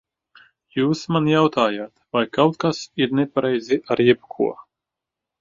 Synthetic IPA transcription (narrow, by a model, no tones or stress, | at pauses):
juːsmanjawt̪aːjaːt̪vajkawt̪̚kasiɾnɛpaɾɛjziʔaɾjɛb̚kʰṵɔ